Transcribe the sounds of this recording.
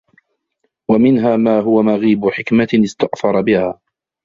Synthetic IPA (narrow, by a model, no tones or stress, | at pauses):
wamɪnɦaːmaːɦʊwamaɣiːbʊħɪkmaɪst̪aʔfɑɾˤɑbɪhaː